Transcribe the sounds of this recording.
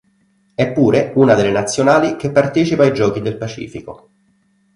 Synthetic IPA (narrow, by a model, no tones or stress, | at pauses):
ɛpːuːɾeuːnad̪elːenat̪sːjonaːlik̟epːart̪eːt͡ʃipaːjd͡ʒɔːk̟id̪elpat͡ʃḭːfiko